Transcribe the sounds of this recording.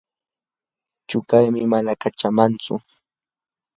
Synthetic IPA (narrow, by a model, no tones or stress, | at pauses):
t͡ʃʊkajmɪmanakat͡ʃamant͡sʊ̰